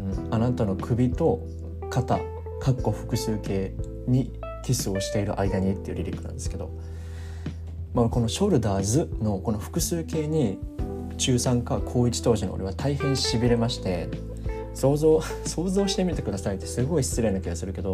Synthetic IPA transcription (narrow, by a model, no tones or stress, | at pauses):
ɯ̟̃anat̪ano̞kʰɯ̟bʲit̪o̞ | kat̪a | kakːo̞ɸɯ̟̥kɯ̟sɨːke̞ː | ɲ̟i | kʲisɨo̞ɕi̥t̪e̞iɾɯ̟̰ʔaid̪aɲ̟it̪ːeiɯ̟ɾʲiɾʲikɯ̟nã̰nd̪e̞sɨ̥ke̞d̪o̞̰ | mako̞no̞ɕo̞ɾɯ̟d̪aːzɨno̞ko̞no̞ɸɯ̟̥kɯ̟sɨːke̞ːɲ̟i | t͡ɕɨːsãŋkakʰo̞ːit͡ɕi̥t̪o̞ːʑino̰o̰ɾiβat̪ʰaihẽ̞ɰ̃ɕibʲiɾe̞maɕi̥t̪e̞̰ | soːzo | so̞ːzo̞ːɕi̥t̪e̞mʲit̪e̞kɯ̟d̪asait̪ːe̞sɨɡo̞iɕi̥t͡sɨɾe̞nakʲiɡasɨɾɯ̟ke̞d̪o̞